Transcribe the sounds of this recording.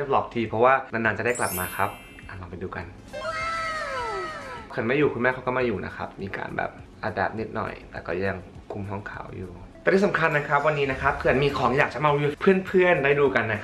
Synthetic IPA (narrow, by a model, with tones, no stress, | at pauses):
p̚lɔː˨˩p̚t̪ʰiː˧pʰɔ˦˥waː˥˩na˧naː˧t͡ɕa˨˩da˥˩kla˨˩p̚maː˧kʰa˦˥p̚ | ʔa˨˩nla˧pa˧jduː˧ka̰˧n | pʰkʰɯ˨˩˦nma˥˩juː˨˩kʰu˧nmɛː˥˩kʰa˦˥wkɔ˥˩ma˥˩juː˨˩nʔa̰˦˥kʰa̰˦˥p̚miː˧ka̰ː˧nbɛ̰ː˨˩p̚ʔaː˧dɛː˨˩p̚ni˦˥t̪̚nɔ̰˨˩jt̪ɛː˨˩kɔ̰ː˥˩ja˧ŋ | kʰu˧mɦɔ˥˩ŋkʰa̰ː˩˦wjuː˨˩ | t̪ɛ˨˩t̪ʰiː˥˩sa˨˦ŋkʰa˧nːa˦˥kʰa˦˥p̚wa˧nːiː˦˥na˦˥kʰa˦˥p̚kʰɯː˧˩ʔa˨˩nmiː˧kʰɔː˩˦ŋjaː˨˩k̚t͡ɕa˨˩maː˧wi˧pʰɯ˥˩ənpʰɯ˥˩əndaː˥˩jduː˧ka˧nːa˦˥